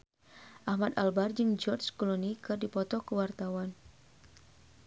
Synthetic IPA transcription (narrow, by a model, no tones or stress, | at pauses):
ʔahmat̪albard͡ʒɨŋd͡ʒɔrt͡ʃkulonikɨrdipɔt̪ɔkəwart̪awan